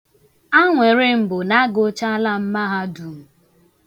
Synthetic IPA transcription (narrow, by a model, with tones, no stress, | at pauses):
a˦ŋʷe˨ɾɪ˦m̩˨bʊ˨na˦ɡo˦t͡ʃa˦la˦m̩˦ma˦ɦa˦du˨